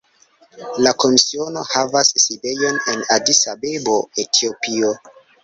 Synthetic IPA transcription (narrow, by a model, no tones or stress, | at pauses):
lako̞misio̞no̞havasːide̞jo̞ne̞nadisabebo̞etʰio̞pio